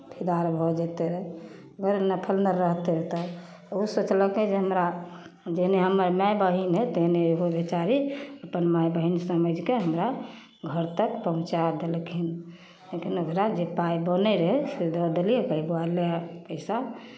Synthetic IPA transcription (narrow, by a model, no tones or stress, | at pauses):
pʰid̪aɾbʱɔd͡ʒet̪eɾɛ | əɡəɾnəpʰəlnəɾəɦt̪eɾət̪ɔ | usot͡ʃləked͡ʒeɦəmɾa | d͡ʒeɦneɦəməɾmajbəɦinɦɛt̪eɦneɦobet͡ʃaɾiəpənmajbəɦinsəməd͡ʒʱkeɦəmɾa | ɡʱəɾt̪əkpəɦũt͡ʃad̪elkʰin | lekinokɾad͡ʒepajbənəɾəɦɛsed̪ɔd̪eliekəiboalapəɪsa